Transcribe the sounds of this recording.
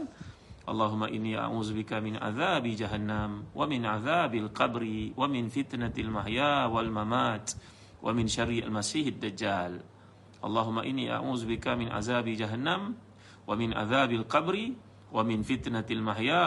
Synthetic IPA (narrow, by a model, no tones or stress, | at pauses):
ʔɑ̰lˤːɑːɦʊmːaʔɪnːiːʔa̰ʕuːzʊbɪkamɪnʕa̰ðaːbid͡ʒaɦanːamwamɪnʕaðaːbalqɑbɾɪwamɪnfɪt̪naalmaħjaːwalmamaːt̪ | wʔa̰mɪnʃarːialmasiːħad̪ːad͡ʒːaːl | ʔɑ̰lˤːɑːɦʊmːaʔɪnːḭːʔa̰ʕuːzbɪkamɪnʔa̰ðaːbid͡ʒaɦanːam | wamɪnʕa̰ðaːbalqɑbɾɪ | wamɪnfɪt̪nalmaħjaː